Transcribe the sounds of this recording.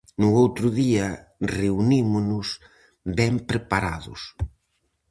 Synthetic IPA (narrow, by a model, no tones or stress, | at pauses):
nʊowt̪ɾʊðiɐ | reunimʊnʊs | bɛmpɾepaɾa̰ðʊ̰s